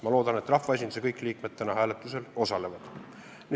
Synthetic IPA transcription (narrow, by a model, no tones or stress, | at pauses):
mɑlo̞ːd̪ɑne̞t̪ːˑrɑfvɑesʲind̪use̞kɤjkliːkme̞d̪̥̚t̪ːænɑɦæːle̞t̪ːˑuse̞lo̞sɑle̞vɑd̪̥ | ni